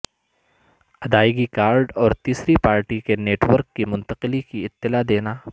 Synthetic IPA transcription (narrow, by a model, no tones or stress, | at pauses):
ɐd̪aːɪɡikaːɾɖɔːɾt̪iːsɾipaːɾʈikeneːʈʋəɾkːimʊ̃nt̪əqɪlikiɪt̪ːɪlad̪eːnaː